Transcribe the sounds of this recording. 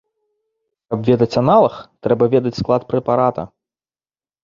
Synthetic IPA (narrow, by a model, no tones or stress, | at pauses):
kɐpvʲɛd̪ɐt͡sʲanalˠɐxt̪ɾɛbɐvʲɛd̪ɐt͡sʲsklˠat̪pɾɛpaɾat̪ɐ̰